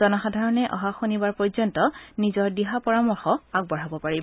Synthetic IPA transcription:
ɔnɔxadʱaɹɔnɛʔɔ̰ɦaxonibaɹpɔɹzɔntɔnizɔɹdiɦapɔɹamɔɹxɔaɡ̚bɔɹ̤abɔpaɹib

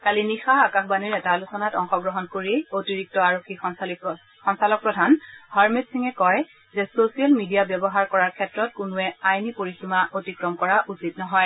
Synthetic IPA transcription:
kalinixaakaxʰbaniɹɛtalusɔnatɔŋxɔɡɹɔɦɔnkoɹiotiɹik̚tɔaɹokʰːi | xɔnsalɔk̚pɹɔdʱanhaɹmetsiŋɛkɔj | zɛsosijalmidijabjɛbɔɦaɹkɔɹaɹkʰɛtɹɔt̚kʊnʊɛajnipoɹiximaʔotikɹɔmkɔɹaʔusit̚nɔɦɔj

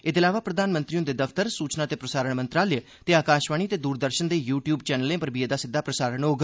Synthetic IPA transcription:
ɪd̪ɪlaːʋaːpɾəd̪aːnmə̃nt̪ɾiõd̪eːd̪əfʰt̪əɾsuːt͡ʃnãːt̪eːpɾəsaːɾəɳmə̃nt̪ɾaːlj | t̪eːaːkaːʃʋaːɳ̃iːət̪eːd̪uːɾd̪əɾʃənd̪eːjuːʈjuːbt͡ʃɛːnəlẽːpəɾbied̪aːsɪd̪ʱːaːpɾəsaːɾəɳɦoːɡ

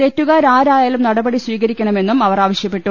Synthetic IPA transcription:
e̞tːuɣaːɾaːɾaːjaːlumnɐɽɐbɐɽiswiːɣɐɾikʲːɐɳɐme̞nːumɐʋɐraːʋɐɕjɐpːe̞ʈːu

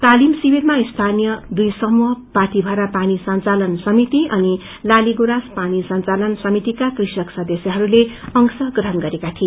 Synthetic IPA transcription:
t̪alimsibirmaist̪ʰanijʌd̪ujsʌmuɦʌpat̪ibʱaɾapanisʌnt͡salʌnsʌmit̪iʔʌni | laliɡuɾaspanisʌnt͡salʌnsʌmit̪ikakrisʌksʌd̪ʌsjʌɦʌɾuleʌŋsʌɡrʌɦʌnɡʌɾekat̪ʰie

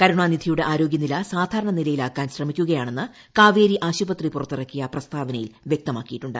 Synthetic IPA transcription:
kɐɾuɳaːnid̪ʱijuɽe̞ʔaːɾo̞ːɡjɐnilɐsaːd̪ʱaːɾɐɳɐnilɐjilaːkːaːnɕrɐmikʲːuɣɐjaːɳe̞nːɨ | kaːʋeːɾiʔaːɕubɐt̪ripurɐt̪ːirɐkːijɐprɐst̪aːʋɐnɐjḭlʋjek̚t̪ɐmaːkːijiʈːuɳɖɨ̰

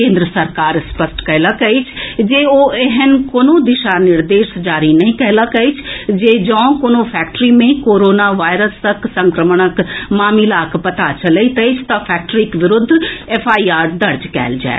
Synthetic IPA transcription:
kẽːnd̪ɾəsɐɾkaːɾspəsʈkɐɦlakəit͡ʃʰd͡ʒeːoːeɦənkoːnõd̪ɪʃanɪɾd̪eːʃd͡ʒaːɾinɐɦĩkɛɦlakəit͡ʃʰd͡ʒeːd͡ʒə̃ːkoːnõpʰɛːk̚ʈɾimẽkoːɾoːnaʋaːɪɾəst̪ɐksɐ̃ŋkɾəməɳ̃əkmaːmilaːkpɐt̪at͡ʃɐleit̪ɐit͡ʃʰt̪ɐpʰɛːk̚ʈɾikʋɪɾʊd̪ʱːeːfʰaːiaːɾd̪ɐɾd͡ʒkɛ̰ːld͡ʒa̰ːḛ

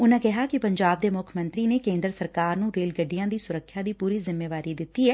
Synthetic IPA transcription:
ʊnãːkɛɦaːkɪpəɲd͡ʒaːb̚d̪eːmʊkʰmə̃nt̪ɾiːneːkẽːnd̪əɾsəɾkaːɾnũːɾeːlɡəɖːijãːd̪iːsʊɾəkʰːjaːd̪iːpuːɾiːzɪmːeːʋaːɾiːd̪ɪt̪ːiːɛː

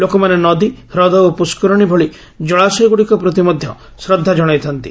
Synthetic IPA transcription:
lokɔmanenɔd̪iɾɔd̪ɔopuskɔɾɔɽ̃ibʱɔɭi | d͡ʒɔɭasɔjɡuɽikɔpɾɔt̪̬imɔd̪ʱjɔ̰ | sɾɔd̪ʱːad͡ʒɔɽ̃ɔjt̪ʰɔnt̪ḭ

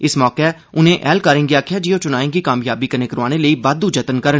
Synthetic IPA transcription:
ɪsmɔːke | ʊnẽːʔɛːlkaːɾɪ̃ŋɡiaːkʰjaːd͡ʒiːoːt͡ʃʊnaːẽːŋɡikaːmjaːbikəneːkəɾaːneləiːbad̪ud͡ʒət̪ənkəɾən

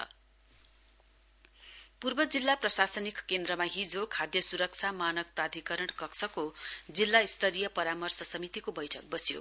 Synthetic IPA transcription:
purbʌd͡zilːaprʌsasʌnikkend̪ɾʌmaɦid͡zʱokʰad̪jʌsuɾʌk̚t͡sʰamanʌk̚prad̪ʱikʌɾʌɽkʌksʰʌkod͡zilːaist̪ʰʌɾijʌpʌɾamʌrsʌsʌmit̪ikobʌjʈʰʌk̚bʌsjo̰

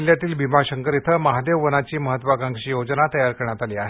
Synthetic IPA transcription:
ljat̪iːlbimaɕəŋkəɾit̪ʰəməɦad̪eʋːənat͡ɕiːməɦət̪ːʋakaŋɡɕiːjod͡znat̪əjaɾkəɾəɳjat̪aliːaɦe

